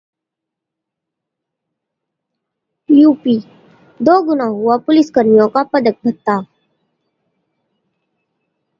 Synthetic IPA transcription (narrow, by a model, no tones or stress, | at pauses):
juːpiː | d̪oːɡʊnaɦʊapʊlɪskəɾnijõkapəd̪ək̚bʱət̪ːa